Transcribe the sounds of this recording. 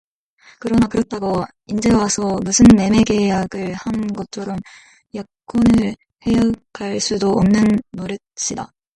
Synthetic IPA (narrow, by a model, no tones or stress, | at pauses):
kɯɾʌnakɯɾʌt̚t͈aɡo | ind͡ʑe̞wasʰʌmusʰɯnme̞me̞ɡe̞jaɡɯɭhanɡʌt̚t͡ɕʰʌɾʌm | ja | k͈onɯɭ | hejʌkʰaɭs͈udoʌmnɯnːoɾjɯt̚ɕ͈ida̰